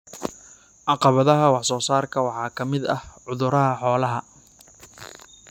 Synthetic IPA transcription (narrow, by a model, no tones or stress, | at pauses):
ʕɑqɑβɐðɐɦɐwɑħsɔːsaːrkʰɐwɑħɑːkʰɐmɪd̪ɐ̰hʕʊðʊɾɐɦɐħɔːlɐɦɐ